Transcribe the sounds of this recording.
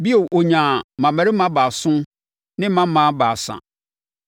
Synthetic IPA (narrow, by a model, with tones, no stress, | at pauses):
bi˦o˨ʔo˨ɲã˨mã˨mæ˨ɾɪ˦mã˦baː˨sʊ̃˦ | nɪ̃˦mã˦m˦mã˦baː˨sã̰˨